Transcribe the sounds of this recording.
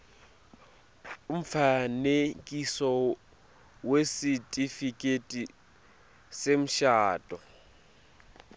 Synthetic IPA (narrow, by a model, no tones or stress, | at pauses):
ʊm̩fanekʼisɔ | wesitʼifikʼetʼi | sem̩ʃaːtʼɔ